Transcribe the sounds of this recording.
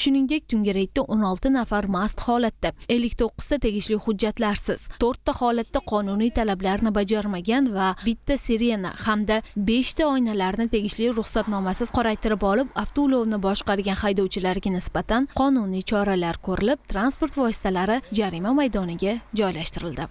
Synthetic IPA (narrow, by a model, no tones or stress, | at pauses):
ʃʊnɪŋd̪e̞kʲt̪ʰʊŋɡʲɪɾek̚ʲt̪aʔonɒlˠt̪ɪnafaɾmast̪hɒlat̪ːae̞lːɪkʲt̪ʰoqːɨ̥zd̪at̪ʰe̞ɡʲɪʃlɪhʊd͡ʒːat̪laɾsɪz̥t̪ʰoɾt̪ːahɒlat̪ːaqʰɒnʊnijt̪ʰalablaɾnɪbad͡ʒaɾmaɡʲanvabɪt̪ʰːaseɾe̞na̰hamd̪abe̞ʃt̪ʰaɒjnalaɾnɪt̪ʰe̞ɡʲɪʃlɪɾʊχsat̪nɒmasɪzqʰɒɾajt̪ɪɾɪpɒlˠɪpaft̪olˠovnɪbɒʃqɑɾɡʲanhajd̪ɒwt͡ʃʰɪlaɾɡʲanɪsbat̪ʰanqʰɒnʊnijt͡ʃʰɒɾalaɾkʰɵɾɪlɪp̚t̪ʰɾanspo̞ɾt̪vɒsɪ̥t̪ʰalaɾɪd͡ʒaɾimamajd̪ɒnɪɡʲad͡ʒɒjlaʃt̪ɪɾɪld̪ɪ